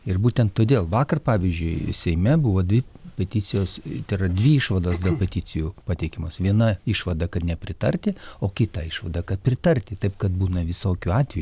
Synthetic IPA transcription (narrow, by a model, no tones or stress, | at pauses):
ɪrbuːt̪ʲɛnt̪tːoːd̪ʲeːlˠʋɑːkɐrpɑːʋʲizʲd͡ʒʲʊɪsʲɛɪmʲɛbʊʋoːd̪ʲʋʲɪpʲɛt̪ʲɪt͡s̪ʲɪjoːst̪ɐɪrɐd̪ʲʋʲɪiʃʋɐd̪oːsd̪ɐpʲɛt̪ʲɪt͡s̪ʲɪjuːpɑt̪ʲɛɪkʲɪmoːsʋʲiɛnɐɪʃʋɐd̪ɐkɐt̪nʲɛpʲɾʲɪt̪ɐrʲt̪ʲɪoːkʲɪt̪ɐɪʃʋɐd̪ɐkɐt̪̚pʲɾʲɪt̪ɐrʲt̪ʲɪt̪ɐɪpkɐt̪̚buːnɐʋʲɪsoːkʲuɑːt̪ʲʋʲɛju